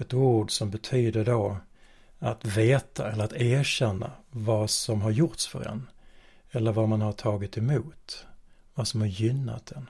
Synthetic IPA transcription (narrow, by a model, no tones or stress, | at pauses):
ɛt̪uːɖsɔmbɛt̪ʰyːd̪əɖo | at̪veːt̪ʰaɛlːəɾat̪æːɾɕɛnːa̰vasɔmɦaɾjʊʈ̪sfœ̰ɾɛ̰n | ɛlːəɾvamanhaʈʰɑːɡɪt̪ɛmuːt̪ | vasɔmhaɾjʏnːa̰t̪̚d̪ɛn